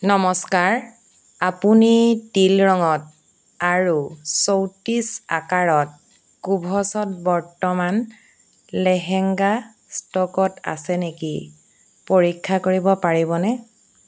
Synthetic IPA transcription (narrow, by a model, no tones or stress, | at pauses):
nɔmɔskaɹ | apunitilɹɔŋɔt̚ | aɹusowtisakaɹɔt̚ | kubʱɔsɔt̚bɔɹtɔman | lɛɦɛŋɡa | stɔkɔta̰sɛnekḭ | poɹikʰːakoɹibɔpaɹibɔnɛ